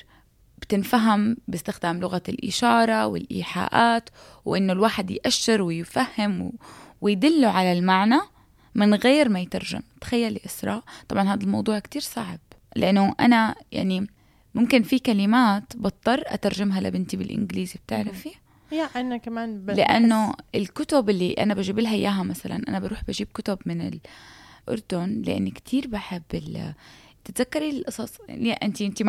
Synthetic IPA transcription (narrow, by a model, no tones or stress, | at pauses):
b̥t̪ɪnfaɦambɪst̪ɪxd̪aːmlʊɣalʔɪ̰ʃɑːɾˤɑwɪ̰lʔḭːħa̰ːʔaːt̪ | wʔɪnːʊlwaːħɪd̪jʔaʃːɪɾwɪjfahːɪmwwɪjd̪ɪlːuʕalalmaʕna | mɪnɣeːɾmajt̪ɑɾˤʒa̰mt̪ḁxajːalːiʔɪsɾˤɑʔt̪ˤɑbʕɑnhaːd̪almɑ̰wd̪ˤuːʕkt̪iːɾsaʕb̥̚ | lɪʔanːʊʔa̰naja̰ʕni | mʊmkɪnfikalɪmaːt̪bɑt̪ˤːɑrˤːʔa̰t̪ɑɾˤʒɪmɦala̰bɪnt̪ibɪ̰lʔɪ̰nɡliːzib̚t̪ɪʕɾˤafi | ʔanakamaːnlɪʔa̰nːʊɪlkʊt̪ʊbʔɪlːiʔa̰nabaʒiːbɪlɦaʔjːaːɦamasala̰nʔanabaɾuːħbaʒiːb̚kʊt̪ʊbmɪnɪ̰lʔʊ̰ɾˤd̪ʊnlɪʔɪ̰nːkt̪ʰiːɾbaħɪbːɪl | t̪ɪt̪zakːɑɾilʔɑsˤɑsˤniʔɪnt̪iʔɪnt̪im